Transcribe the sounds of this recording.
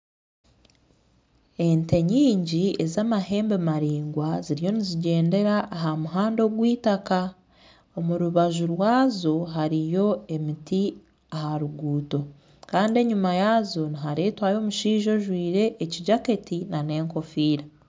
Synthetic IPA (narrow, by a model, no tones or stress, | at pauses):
e̞nte̞ɲiːɲɟie̞zaːmahe̞ːmbemaɾiːŋɡwaziɾijo̞niziɟe̞ːnde̞ɾaʔːɦamuɦaːndo̞ɡwiːtaka | omuɾuβaʒuɾwaːzo̞ɦaɾijo̞e̞miti | ahaɾuɡuːto̞ | kaːndie̞ɲumajaːzo̞niɦaɾe̞ːtwajo̞ːmuʃiːʒo̞ʒwiːɾe̞ʔːciɟake̞tinane̞ːŋko̞fiːɾa